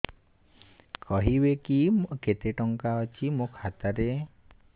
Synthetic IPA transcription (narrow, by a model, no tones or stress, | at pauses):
kʰɔɦibekimket̪eʈɔŋkaɔt͡ʃʰimokʰat̪aɾe